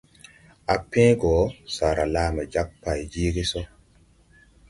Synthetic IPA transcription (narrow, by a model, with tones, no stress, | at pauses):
a˨pẽː˦ɡɔː˨˦saː˨ɾa˨laː˨˦mɛ˨d͡ʒa˦k̚pa˨jd͡ʒiː˦ɡi˦so˦